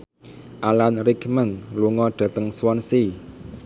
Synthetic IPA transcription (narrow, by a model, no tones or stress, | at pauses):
ʔalanɾikmənluŋɔɖ̪̥ä̤t̪əŋswɔnsi